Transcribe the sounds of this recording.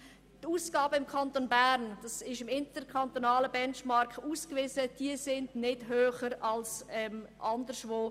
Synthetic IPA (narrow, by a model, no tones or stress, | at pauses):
tuːsɡ̥aːbəɪmkʰɑntonbæɾnd̥ɑsɪʃɪmɪntəɾkʰant̪onɑːləbɛnʃmɑɾkuːskvɪːzəd̥iəsɪndnɪd̥ɦhøːχəɾɑlsɛmʔɑndəʃvoː